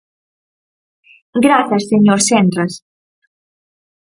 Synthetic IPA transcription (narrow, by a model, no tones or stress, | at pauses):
ɡɾaθɐsːeɲoɾsɛnd̪ɾɐs